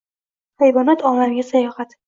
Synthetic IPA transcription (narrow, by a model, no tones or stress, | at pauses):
hejvɒnat̪ʰɒlamɡʲasajɒhat̪